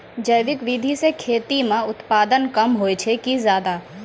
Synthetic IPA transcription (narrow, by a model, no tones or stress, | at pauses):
d͡ʒəjʋɪkʋɪd̪ʱisekʰeːt̪imẽʊt̪paːd̪ənkɐmɦoːet͡ʃʰekizjaːd̪aː